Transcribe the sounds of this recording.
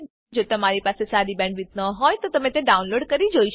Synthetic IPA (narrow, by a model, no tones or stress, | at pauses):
d͡ʒot̪əmaɾipasesaɾibɛ̃ɳɖʋit̪nəɦɔjt̪ot̪əmẽt̪ẽɖaũnloɖkəɾid͡ʒoiʃ